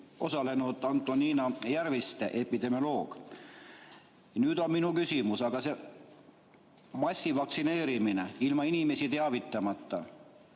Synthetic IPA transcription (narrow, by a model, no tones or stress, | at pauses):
o̞sɑle̞nud̪ɑnt̪ːˑoniːnɑjærvist̪eʔe̞pid̪e̞miolo̞ːɡ̥ | nyːd̪̥o̞nminukysimusɑɡ̥ɑse̞ | mɑsʲːivɑkksine̞ːɾimineilmɑinime̞sit̪e̞ɑvit̪ːˑɑmɑt̪ˑːɑ̰